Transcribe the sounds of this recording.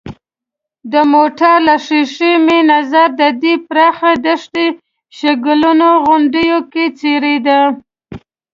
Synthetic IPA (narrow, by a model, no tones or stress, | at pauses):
d̪əmoʈaɾlaʂiʂimenazaɾd̪əd̪ipɾɑxad̪əʂʈ̪e | ʃaɡəlunoɣʊɳɖəjoket͡seɾed̪a